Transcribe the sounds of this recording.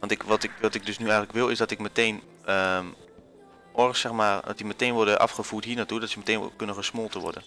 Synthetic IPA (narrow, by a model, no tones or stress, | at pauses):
ʋɑ̃ntɪkʋɔtɪkʋɔtɪk̚døsnyɛjɣənləkʋɪlˠɪsdɔtɪkməteːn | ə | ɔrsɛxmaːrdɔ̰tdiməteːnʋɔrdəʔa̰fxəfuːtɦiənatudɔtsəməteːnkønəxəsmolˠtəʋɔ̰rdə̰n